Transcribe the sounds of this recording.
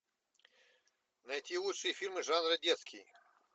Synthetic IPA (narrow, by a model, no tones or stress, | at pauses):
nɐjtʲilˠut̪ʂɨjəfʲilʲmɨʐanɾɨdʲet̪skʲʰḭj